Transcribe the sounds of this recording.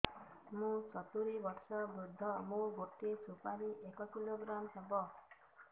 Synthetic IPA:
mũt͡ʃɔt̪uɾibɔɾsɔbɾud̪ʱːɔmũɡoʈisʰupaɾiʔekɔkiloɡɾamsebɔ

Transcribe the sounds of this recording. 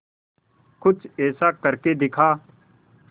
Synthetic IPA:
kʊt͡ʃeːsaːkəɾkeːd̪ɪkʰaː

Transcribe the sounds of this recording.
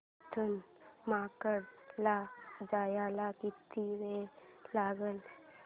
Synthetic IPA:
t̪ʰən | makəɽlad͡zajalakit̪iʋelaɡəl

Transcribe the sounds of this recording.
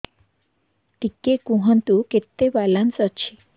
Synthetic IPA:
t̪ikːekũɦənt̪uket̪ːebalansət͡ʃʰi

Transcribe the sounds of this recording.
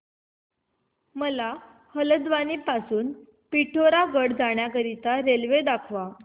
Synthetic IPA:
məla | hələd̪ʋanipasuːn | piʈʰoɾaɡəɽd͡zaɳ̃jakəɾit̪aɾelʋed̪akʰʋa

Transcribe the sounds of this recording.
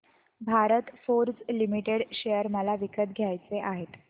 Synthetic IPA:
bʱaɾət̪foɾt͡slimiʈeɽɕejəɾməlaʋikət̪̚ɡʱjajt͡seʔaɦet̪

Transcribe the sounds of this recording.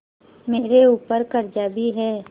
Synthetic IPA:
meːɾeuːpəɾkəɾd͡ʒaːbiɦɛː

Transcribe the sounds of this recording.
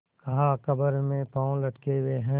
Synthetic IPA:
kɐɦakɐbəɾmẽpãːõlɐʈkeweɦɛ̃ː

